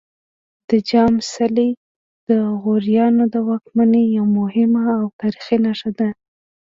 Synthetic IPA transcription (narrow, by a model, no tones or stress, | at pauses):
d̪̥əd͡ʒɑmsali | d̪̥əɣoɾjɑnod̪əwɑk̚manejawmʊhɪmaːwt̪aɾixinaʂad̪a